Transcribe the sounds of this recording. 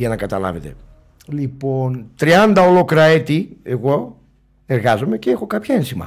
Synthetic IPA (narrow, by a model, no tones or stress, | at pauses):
ɐnɐkɐt̪ɐlɐ̰ve̞t̪e̞̰ | lipo̞nt̪ɾiɐnd̪ɐolo̞kɾɐet̪ieɣo̞ | e̞ɾɣɐzo̞me̞ceexo̞kɐpçɐensimɐ̰